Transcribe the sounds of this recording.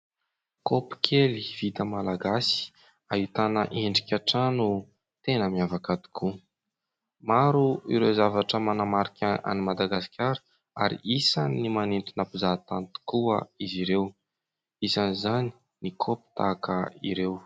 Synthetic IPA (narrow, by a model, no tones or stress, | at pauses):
kopi̥kʲʰeliv̥it̪əmalaɡasi̥ | ait̪anə̰ʔeɳɖ͡ʐikʲaʈ͡ʂanu | t̪enəmiavakad̪i̥kʰu | maɾuḭɾewzavaʈ͡ʂəmanamaɾikʲaa̰nimad̪aɡaskʲaɾə | a̰ɾḭʔisanimanent̪unapuzat̪ant̪u̥kuə̰iziɾew | isanizani̥ | nikʰopi̥t̪a̰kəiɾew